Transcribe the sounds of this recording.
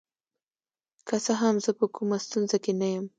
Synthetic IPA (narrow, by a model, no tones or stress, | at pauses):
kasaɦamzəpəkumast̪unzakenajəm